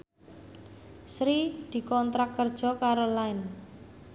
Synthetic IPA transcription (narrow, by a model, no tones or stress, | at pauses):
sɾid̪̥i̤kɔnt̪ɾakːərd̥ʒ̥ɔ̤kaɾolaɪn